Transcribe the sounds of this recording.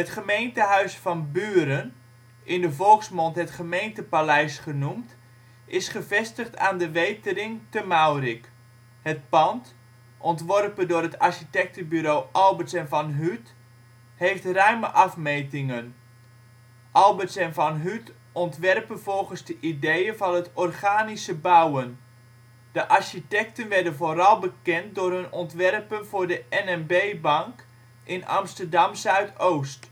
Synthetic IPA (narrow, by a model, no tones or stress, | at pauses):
ətχəmejntəɦœɥsfɑnbyːɾən | ʔɪndəvɔlˠksmɔntɦətχəmejntəpalɛjsχənumt | ʔɪsχəvɛstəχtaːndəʋejtərɪŋtəmawrik | hət̚pɑnt | ʔɔntʋɔrpəndʊːrətarʃitɛk̚təbyɾowʔɑlˠbəsɛnvɑnɦyt | heftrœɥməʔɑfmejtɪŋən | ʔɑlˠbətsɛnvɑnɦyt | ɔntʋɛrpənvɔlˠɣənzdəʔidejənvɑnɦətɔrχaːnisəbawən | d̥əʔarʃitɛktənʋɛrdənvorɑlˠbəkɛnt̚dʊrɦɵnɔntʋɛrpənvʊːɹdəɛnɛnbejbɑŋk | ʔɪnɑ̰mstərdɑmsœɥtʰowst